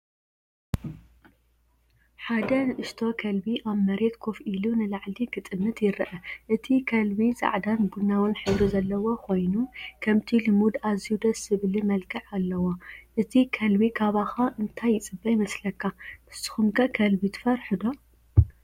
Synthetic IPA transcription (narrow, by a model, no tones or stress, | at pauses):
ħad̪ɐnɨʔɨʃt̪ʰo̞kʰɐlbiʔaβmɐɾe̞t̪kʰofʔilunɨlaʕliɡɨt̪ʼɨmːɨt̪jɪɾɨʔɐʔɨt̪ʰikʰɐlbiza̰ʕd̪anbunːawɨnħɨβɾizɐlːɐwo̞kʰo̞jnukʰɐmt̪ʰilɨmud̪azijud̪ɐsɨβlimɐlkʰɨʕalːɐwoʔɨt̪ʰikʰɐlbikʰaβaxaʔɨnt̪ʰajːɪt͡sʼɨbːɐjmɐslɐkʰːamɨsɨ̥xumkʰɐkʰɐlbit̪ʰɨ̥fɐɾħud̪o